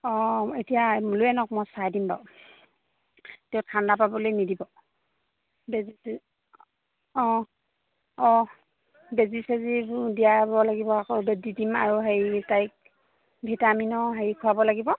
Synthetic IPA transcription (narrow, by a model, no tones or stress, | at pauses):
ɔetijamuluɛnɔk̚mɔsajdimba̰ʊ | tɛʊtʰandapabɔlojnidibɔ | bezi | ɔ̃ | ɔ | bezisezidijabɔlaɡibɔakɔbedidimaɹuɦeitajk̚ | bʱitaminɔɦaɹikʰuabɔlaɡibɔ